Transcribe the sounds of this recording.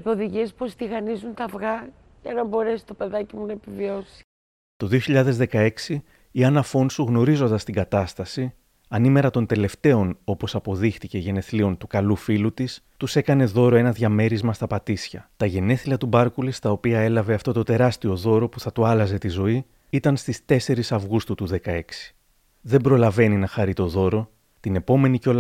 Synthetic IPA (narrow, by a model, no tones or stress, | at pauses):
poðiʝispo̞st̪iɣɐnizunt̪ɐvɣɐ | ʝɐnɐbo̞ɾe̞si̥t̪o̞pe̞ðɐcimunɐepivio̞si̥ | t̪o̞ðio̞çiʎɐðe̞zðe̞kɐe̞ksi | iɐnɐfo̞nsuɣno̞ɾizo̞nd̪ɐst̪iɡɐt̪ɐst̪ɐsi | ɐnime̞ɾɐt̪o̞nt̪e̞le̞ft̪e̞o̞no̞po̞sɐpo̞ðixt̪ice̞ʝe̞ne̞θlio̞nt̪ukɐlufilut̪is | t̪use̞kɐne̞ðo̞ɾo̞e̞nɐðʝɐme̞ɾizmɐst̪ɐpɐt̪isçɐt̪ɐʝe̞ne̞θilɐt̪ubɐɾkulist̪ɐopiɐe̞lɐve̞ɐft̪o̞t̪o̞t̪e̞ɾɐst̪io̞ðo̞ɾo̞puθɐt̪uɐlɐze̞t̪izo̞i | it̪ɐnst̪ist̪e̞se̞ɾisɐvɣust̪ut̪uðe̞kɐe̞ksi̥ | ðe̞mbɾo̞lɐve̞ninɐxɐɾit̪o̞ðo̞ɾo̞ | t̪ine̞po̞me̞niceo̞